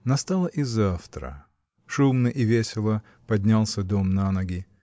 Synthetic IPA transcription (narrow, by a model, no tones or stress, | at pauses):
nɐst̪alˠəʔizaft̪ɾə̰ | ʂumnəʔɪvʲesʲɪlˠə | pɐdʲnʲalˠsʲəd̪omnanɐɡʲɪ